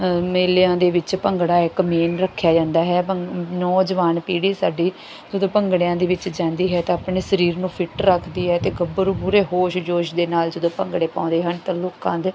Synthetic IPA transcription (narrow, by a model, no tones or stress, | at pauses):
meːlejãːd̪eːʋɪt͡ʃpəŋɡɽaːɪkmeːnɾəkʰːjaːd͡ʒãːnd̪aːɦɛːənɔːd͡ʒəʋaːnpiːɽiːsaːɖiː | d͡ʒəd̪õːpəŋɡɽjãːd̪eːʋɪt͡ʃd͡ʒãːnd̪iːɦɛːt̪eːaːpɳeːsəɾiːɾnũːpʰɪʈɾəkʰd̪iːɦɛːt̪eːɡəbəɾuːbuɾeːɦoːʃd͡ʒoːʃd̪eːnaːld͡ʒəd̪õːpəŋɡɽeːpãːnd̪eːɦənt̪ãːloːkãːd̪